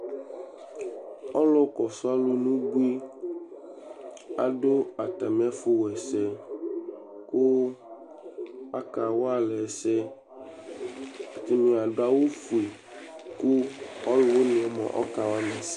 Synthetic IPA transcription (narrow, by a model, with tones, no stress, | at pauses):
ɔ˦lɔ˦kɔ˨sɔ˦a˦lo˦nũ˦ɡ͡bu˦i˦ | a̰˨ɖo˦a˨t̪a˨mẽ˦a˦fu˦wɛ˨sɛ˦ | ko˦ | a˦ka˨wo˦a˦lɛ˨sɛ˦˨ | t̪i˦mĩ˨a˨ɖo˦a˦wo˦fu˨e˨ | ku˦ɔ˦lo˨wo˦nẽ˨ɛ˨mɔ̰̃˨ʔɔ̰˦ka˨wa˦nã˨s